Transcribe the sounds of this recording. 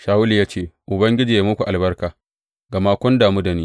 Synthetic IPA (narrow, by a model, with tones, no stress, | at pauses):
ʃaː˨wʊ˦li˨jaː˦t͡ʃeː˦˨ʔʊ˨bɐ˦ŋɡʲɪ˦d͡ʒiː˨ja˨mʊ˦kʷu˨ʔa˨lbɐ˦rkaː˨ | ɡa˨maː˦kʷʊ˦ndaː˨mu˦da˨niː˦